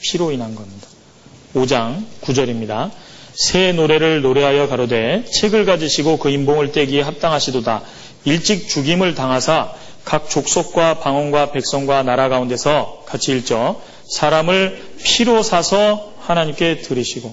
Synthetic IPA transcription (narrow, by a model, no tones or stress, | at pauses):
pʰiɾoinɦanɡʌmɲidḁ | od͡ʑaŋkud͡ʑʌɾimɲida | sʰe̞noɾe̞ɾɯɭnoɾe̞ɦajʌkaɾode̞t͡ɕʰe̞ɡɯɭɡad͡ʑiɕʰiɡokɯimboŋɯɭt͈e̞ɡiɦap̚t͈aŋɦaɕʰidoda | iɭt͡ɕ͈ik̚t͡ɕuɡimɯɭtaŋɦasʰa | kak̚t͡ɕ͈ok̚s͈ok̚k͈wapaŋʌnɡwape̞k̚s͈ʌŋɡwanaɾaɡaunde̞sʰʌkat͡ɕʰiːɭt͡ɕ͈ʌ | sʰaɾamɯɭpʰiɾosʰasʰʌ | hanaɲimk͈e̞tɯɾiɕʰiɡo